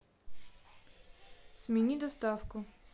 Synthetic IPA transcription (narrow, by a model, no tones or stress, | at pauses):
sminid̪ost̪afkʊ